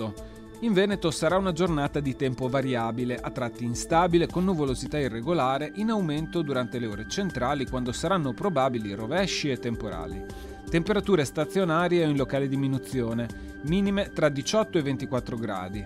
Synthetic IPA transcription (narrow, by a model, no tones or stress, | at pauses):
o | iɱvɛːnet̪osaɾaunad͡ʒornaːt̪ad̪it̪ɛmpovaɾjaːbileʔat̪ːɾat̪ːiːnst̪aːbilekonːuvolozit̪airːeɡolaːɾeʔinawment̪od̪uɾant̪eleoːɾet͡ʃent̪ɾaːlikwand̪osaɾanːopɾobaːbilirovɛʃːiet̪ːempoɾa̰ːli | t̪empeɾat̪uːɾest̪at̪sːjonaːɾjeoinlokaːled̪iminut̪sːjoːne | miːnimet̪ɾad̪it͡ʃɔt̪ːoevːent̪ikwat̪ːɾoɡɾa̰ːd̪i